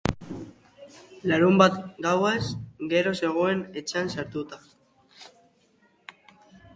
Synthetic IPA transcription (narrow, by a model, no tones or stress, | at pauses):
laɾumbat̪ɡawesɡe̞ɾo̞se̞ɣ̞o̞e̞ne̞t͡ʃeansaɾt̪ut̪a